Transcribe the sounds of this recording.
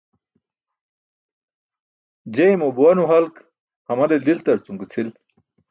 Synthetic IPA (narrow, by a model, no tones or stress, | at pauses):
d͡ʑejmobuwɐnuɦɐlk | hɐmɐd̪elilt̪ɐɾt͡sumkit͡sʰil